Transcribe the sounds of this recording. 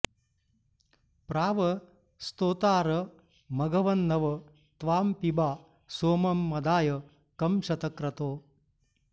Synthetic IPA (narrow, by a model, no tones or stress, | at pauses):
pɾaːʋɐ | st̪oːt̪aːɾɐ | mɐɡɐʋɐnːɐʋɐ | t̪ʋaːmpibaː | soːmɐmːɐd̪aːjɐ | kɐmʃɐt̪ɐkɾɐt̪oː